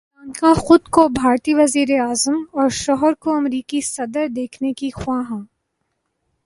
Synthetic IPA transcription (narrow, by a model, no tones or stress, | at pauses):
aːnkaxʊd̪kobʱaːɾt̪iʋɐziːɾeaːzəmɔːɾʃɔːɦəɾkoɐmɾiːkisɐd̪əɾd̪eːkʰnekixwãːɦãː